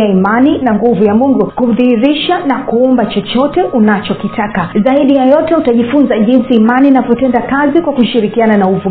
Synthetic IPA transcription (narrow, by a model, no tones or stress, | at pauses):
aimaninaŋɡuvujamuŋɡukuðihiɾiʃanakuɔmbat͡ʃɔt͡ʃɔtɛʔunat͡ʃɔkitʰakazaiɗijajɔtɛutaʄifunzaʄinsiːmaniːnavɔtɛndakazikwakuʃiɾikiananauvu